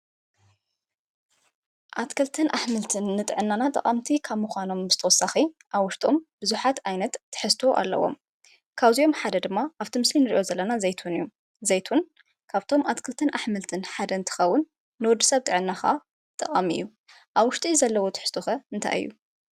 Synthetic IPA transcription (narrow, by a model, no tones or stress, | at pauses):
ʔat̪kʰɐlt̪ʰɨnʔaħmɨlt̪ʰɨnːɨt̪ʼɨʕɨnːanat̪ʼɐ̰qʼamt̪ʰikʰaβmuxʷano̞mbɨz̥ɨt̪ʰɐwɔsːaxi | ʔaβwʊʃt̪ʼombɨzuħat̪ajnɐt̪ːɨ̥ħɨst̪ʰoʔa̰lːɐ̰wo̞̰m | kʰaβzio̞mħad̪ɐd̪ɨmːaʔaβt̪ʰimɨslinɨɾḭʔo̞zɐlːɐnazɐjt̪ʰunju | zɐjt̪ʰun | kʰaβt̪ʰo̞mʔat̪kʰɨlt̪ʰɨnʔaħmɨlt̪ʰɨnħad̪ɐnt̪ʰɨ̥xɐwːʊnː | ɨwɔd̪ːɨsɐβt̪ʼɨʕɨnːaxa̰ | t̪ʼɐqʼamɨ̰jːu | ʔaβwʊʃt̪ʼizɐlːɐwo̞t̪ʰɨ̥ħɨst̪ʰoxɐɨnt̪ʰa̰jɨ̰jːu